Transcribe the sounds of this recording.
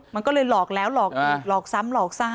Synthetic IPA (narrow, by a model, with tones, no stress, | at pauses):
ma˧nkɔː˥˩lɤː˧jlɔː˨˩k̚lɛː˦˥wlɔː˨˩k̚ːlɔː˨˩k̚sa˦˥mlɔː˨˩k̚sa˧˩